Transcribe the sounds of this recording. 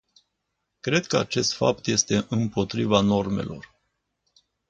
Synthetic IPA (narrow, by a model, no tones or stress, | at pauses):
kɾe̞d̪kəa̰t͡ʃe̞st̪fa̰p̚t̪je̞st̪e̞ʔɨmpo̞t̪ɾivano̞rme̞̰lo̞̰r